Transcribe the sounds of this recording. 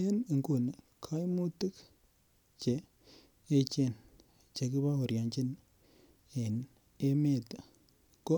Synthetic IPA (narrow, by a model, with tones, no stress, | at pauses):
e˦ni˨ŋku˨n˨kʰa˦jmu˦tɨ˦k | t͡ʃe˨ | e˦t͡ʃe˦˨n | t͡ʃe˨ki˦ba˦o˨ɾja˨ɲt͡ʃi˦n | e˨n | e˦me˦˨ta˨ | ko˦